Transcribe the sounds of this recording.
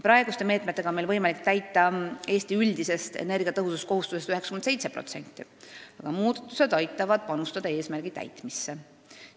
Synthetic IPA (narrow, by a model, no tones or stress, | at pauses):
pɾɑe̞ɡ̥ust̪e̞meːt̪ˑmet̪ːˑe̞ɡ̥ɑonmelvɤjmɑlik̚t̪æjt̪ˑːɑe̞ːst̪iylʲd̪ise̞st̪ḛne̞rɡiɑt̪ɤɦususko̞ɦust̪use̞st̪yheksɑ̥kymense̞jt̪se̞pro̞̰t̪se̞nʲt̪ːˑiɑɡ̥ɑmuːd̪ɑ̥t̪ːˑuse̞d̪ɑjt̪ːˑɑvɑd̪̥̚pɑnust̪ɑd̪̥ɑe̞ːsmæɾɡ̥it̪æ̰jt̪ˑmisːe